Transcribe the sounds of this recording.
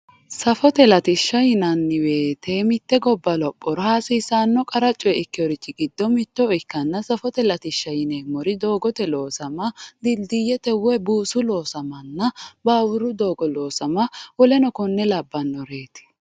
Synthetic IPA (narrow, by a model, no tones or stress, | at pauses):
sɐfɔt̪ɛlɐt̪ɪʃːɐjɪnɐnːɪwe̞ːt̪emɪt̪ːɛɡɔbːɐlɔpʼːɔɾhasiːsaːnːɔkʼɐɾɐt͡ʃʼːɔjɛɪkːɪɔɾɪt͡ʃːɪɡɪd̪ːɔmɪt̪ːɔɪkːɐnːɐsɐfɔt̪ɛlɐt̪ɪʃːɐjɪneːmɔɾɪd̪o̞ːɡɔt̪ɛlo̞ːsɐmɐd̪ɪld̪ɪjɛt̪ɛwɛbuːsʊlo̞ːsɐmɐnːɐbaːwʊɾʊd̪o̞ːɡɔlo̞ːsɐmɐwɔlɛnɔkɔnːɛlɐbːɐnːɔɾeːt̪ɪ̥